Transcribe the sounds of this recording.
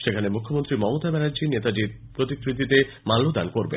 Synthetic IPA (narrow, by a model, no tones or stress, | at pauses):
ʃekʰanemukʰːomont̪ɾimɔmot̪abɛɾadd͡ʑinet̪adiɾ | pɾot̪ikʰɾit̪ːit̪e | malːod̪a̰nkoɾbḛ